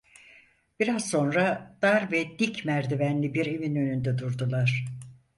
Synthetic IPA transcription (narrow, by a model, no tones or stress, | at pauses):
b̥iɾazso̞nɾad̪̥aɾvɛd̪icmæɾd̪ivænlʲibiɾevinø̞nynd̪ɛd̪uɾd̪ulˠaɾ̥